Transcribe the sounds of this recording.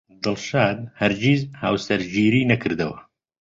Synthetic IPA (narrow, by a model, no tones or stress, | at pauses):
d̪ɨlʃaːd̪̚hɐɾd͡ʒiːzha̰ːwsɐɾd͡ʒiːɾiːnɐkʰɨɾd̪ɐwɐ